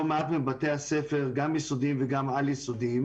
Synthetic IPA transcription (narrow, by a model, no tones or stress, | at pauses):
omeatmibateasefeʁɡamjisod̪imveɡamaljisodim